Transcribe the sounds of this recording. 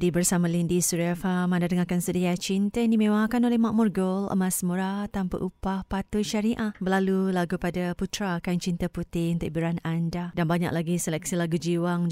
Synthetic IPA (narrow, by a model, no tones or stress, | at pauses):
dibərsamalindisuɾafamandadəŋakansudiat͡ʃint̪andimẽwakanolɛhmaʔ̚murɡolə̰masmuɾat̪ampa̰ʔupahpat̪ʊʃaɾiʔaʔbəlalulaɡupadaput̪ɾakant͡ʃint̪aput̪ɪunt̪uʔbiɾanandadanbaɲa̰k̚laɡisəlɛk̚silaɡud͡ʒiwaŋ